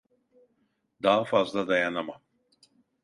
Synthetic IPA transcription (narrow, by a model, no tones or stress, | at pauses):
d̪aːfazd̪lad̪ajanama